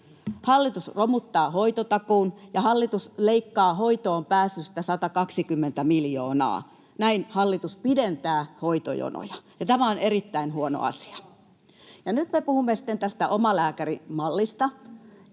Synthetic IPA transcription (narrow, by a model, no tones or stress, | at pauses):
hɑlːit̪usromut̪ːɑːhoit̪ot̪ɑkuːnjɑhɑlːit̪usleikːɑːhoit̪oːmpæːsːyst̪æsɑt̪ɑkɑksikymːent̪æmiljoːnɑ̰ː | næinhɑlːit̪uspident̪æːhoit̪o̰jo̰no̰jɑjɑt̪æmæonerit̪ːæinhuono̰ɑ̰si̥ɑ̥ | jɑnyt̪mepuhumːesĭ̥t̪ːent̪æst̪æʔomɑlæːkærimɑlːist̪ɑj